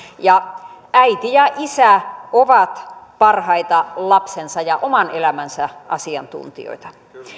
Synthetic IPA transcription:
jɑʔæit̪ijɑʔisæoʋɑt̪pɑrhɑit̪ɑlɑpsensɑjɑʔomɑnelæmænsæʔɑ̰siɑ̰nt̪ṵnt̪ḭo̰it̪ɑ

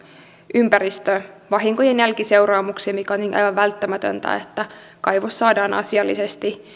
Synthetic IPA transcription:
ʔympæɾist̪øʋɑɦiŋkojenjælkise̞urɑːmuksiemikæoniːnʔɑ̰jʋɑʋʋælt̪ːæmæt̪ø̰nt̪æ̰et̪ːæ | kɑjʋosːɑːdɑːnʔɑ̰siɑlːise̞st̪i

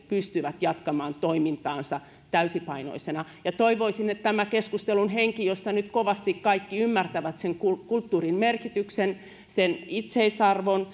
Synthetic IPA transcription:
pyst̪yʋæt̪jɑt̪kɑmɑːnt̪oimint̪ɑːnsɑ | t̪æysipɑino̰isenɑjɑt̪oiʋoisinet̪t̪æmækeskust̪elunheŋkijosːɑnyt̪koʋɑst̪ikkɑikːiymːært̪æʋæt̪seŋkukult̪ːuːrinmerkit̪yksen | senit̪seisɑrʋon

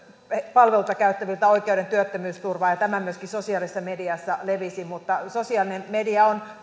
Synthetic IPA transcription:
epɑlʋelut̪ɑkæyt̪ːæʋilt̪æoikeuɾent̪yøt̪ːømyːst̪urʋɑːjɑt̪æmæmyøskisosiɑlisːɑmediɑsːɑleʋisimut̪ːɑsosiɑˑlinemmediɑon

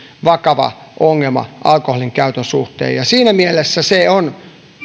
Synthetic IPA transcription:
ʋɑkɑʋɑ̰ʔoŋːelmɑ̰ʔɑlkoholiŋkæyt̪ønsuht̪ḛːjɑsiːnæmielesːæseon

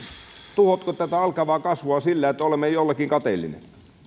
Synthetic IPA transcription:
t̪uhot̪kot̪æt̪æɑlkɑʋɑːkɑsʋoɑsilːæet̪ːæolemːejolːekːiŋkɑt̪eilːḭnḛ

